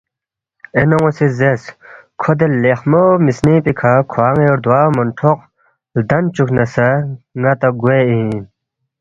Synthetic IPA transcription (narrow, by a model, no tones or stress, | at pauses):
enoŋosizeskʰod̪elexmomisnipikʰakʰwaːŋeoɾd̪waːmɐnʈʰoq̚ | ld̪ɐnt͡ɕukʰnɐsɐŋɐt̪ɐɡweĩ